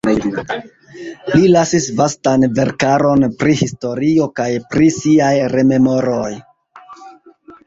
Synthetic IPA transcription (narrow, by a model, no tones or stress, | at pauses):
lilasisvastanve̞ɾkaɾo̞npɾihisto̞ɾio̞kajpɾisiajɾe̞me̞mo̞ɾo̞j